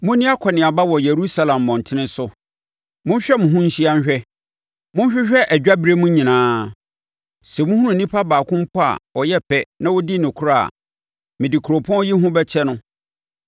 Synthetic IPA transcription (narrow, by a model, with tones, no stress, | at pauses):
mʊ̃˦nɪ̃˦a˦kʰɔ˨nɪ̃˨a˨ba˦wɔ˨je˨ɾu˦sa˦lã˨mːɔ̃˨n˨tʰɪ̃˦nɪ̃˦sʊ˦ | mʊ̃˦ɲ˦ɕᶣɛ˦mʊ̃˨ɦʊ̃˦ɲ̩˦ɕi˦a˦n˦ɕᶣɛ˦ | mʊ̃˦n˦ɕᶣɪ˦ɕᶣɛ˦ʔæ˨d͡ʑᶣa˦bi˦ɾe˦mũ˦ɲĩ˨nãː˨˦ | sɛ˨mʊ̃˦hu˦ũ˦˨nĩ˦pʰa˦baː˨kʰʊ̃˦m̩˦pʰɔ˦a̰˨ɔ˨jɛ˦pʰɛ˦nã˦wɔ˦di˦nʊ̃˨kʰʊ˦ɾa˦˨a̰˨ | mɪ̃˨dɪ˨kʰu˨ɾo˨pʰɔ̃˦ji˦ɦʊ̃˦bɛ˦t͡ɕʰɛ˦nʊ̃˦